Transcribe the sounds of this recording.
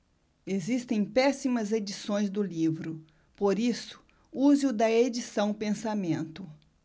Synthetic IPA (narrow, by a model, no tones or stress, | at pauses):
ezist̪ẽj̃pɛsimɐzed͡ʒisõj̃zd̪ʊlivɾʊ | poɾisʊ̥ | uzɪʊd̪ɐed͡ʒisɐ̃w̃pẽsamẽnt̪ʊ